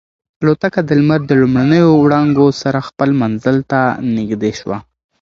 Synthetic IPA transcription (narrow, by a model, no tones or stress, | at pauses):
alot̪akad̪əlmaɾd̪əlumɽanəjowɽɑŋɡosaɾaxpəlmanzəlt̪anɪɡd̪eʃwa̰